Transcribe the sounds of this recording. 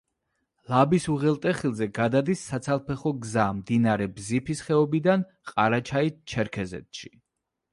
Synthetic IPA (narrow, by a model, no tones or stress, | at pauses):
lˠabisuʁɛlˠt̪ʼɛχilˠzɛɡad̪ad̪isːat̪sʰalˠpʰɛχɔɡzamd̪inaɾɛbzipʰisχɛɔbid̪an | qʼaɾat͡ʃʰait͡ʃʰɛɾkʰɛzɛ̰t̪ʃi̥